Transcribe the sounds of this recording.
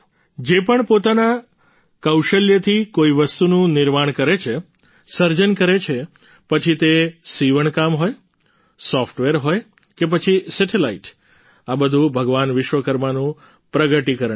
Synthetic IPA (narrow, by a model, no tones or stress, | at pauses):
d͡ʒepəɳpot̪ana | kəwʃəljət̪ʰikoiʋəst̪unũnɪɾmaɳ̃kəɾet͡ʃʰe | səɾd͡ʒənkəɾet͡ʃʰe | pət͡ʃʰit̪esiʋəɳkamɦoj | sɔfʰʈʋeɾɦoj | kep̬ət͡ʃʰisɛʈʰelaiʈ | abəd̪ʱũbʱəɡʋanʋɪʃʋəkəɾmanũ | pɾəɡəʈikəɾəɳ